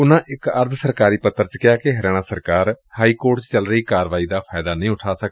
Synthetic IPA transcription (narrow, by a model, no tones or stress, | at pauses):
ʊnãːʔɪkəɾd̪səɾkaːɾiːpət̪ːəɾt͡ʃkɪaːkeɦəɾaːɽ̃ãːsəɾkaːɾ | haːiːkoːɾʈt͡ʃt͡ʃəlɾəiːkaːɾʋaːiːd̪aːpʰaːɪd̪aːnəĩːʊʈʰaːsəkd̪